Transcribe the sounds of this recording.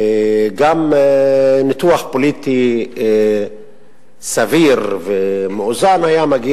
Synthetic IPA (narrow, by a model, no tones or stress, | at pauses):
ɡam | nit̪uaχpolit̪i | saviʁvemeozanajamaɡi